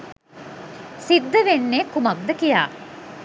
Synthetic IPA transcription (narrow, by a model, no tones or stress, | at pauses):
sid̪ːəʋenːeːkumɐk̚d̪əkija̰ː